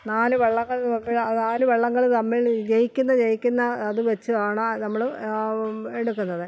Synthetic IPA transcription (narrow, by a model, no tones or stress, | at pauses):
naːnuʋeɭːɐŋːɐɭɐmːilɐnaːnuʋeɭːɐŋːɐɭt̪ɐmːiɭd͡ʑejikʲːunːɐd͡ʑejikʲːunːɐːðɨʋɐt͡ɕːuðaːɳɐnɐmːɐɭ | eɽukːunːɐðɨ